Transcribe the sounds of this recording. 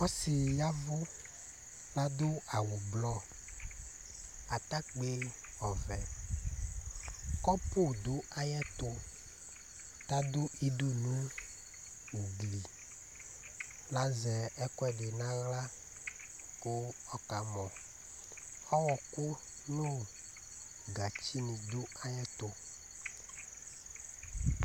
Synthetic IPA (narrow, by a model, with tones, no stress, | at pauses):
ɔ˦si˨ja˦vʊ˦ | la˦d̪ʊ˦a˨wʊ˨blɔ˦ | a˨t̪a˦k͡pe˦ | ɔ˨vɛ˨ | kɔ˦po˦˨d̪ʊ˦a˦jɛ˦t̪ʊ˦ | t̪a˦d̪o˦ʔe˦do˦nũ˦ | wu˨ɡli˨ | la˦zɛ˨ɛ˦kɔ˦ɛ˦de˨nã˦ɣla˦ | ko˦ | ɔ˨ka˨mɔ̃˨ | ɔ˦wɔ˨ko˦ | nõ˦˨ | ɡa˨t͡ɕi˦nĩ˨d̪o˦a˨jɛ˦t̪o˦